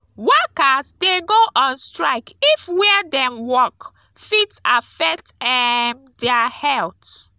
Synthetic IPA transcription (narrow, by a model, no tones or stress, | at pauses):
wɔkasdeɡoʔãnstɹaɪkifwɛdɛ̃mwɔk | fitafɛk̚tɛm | dɛahɛlt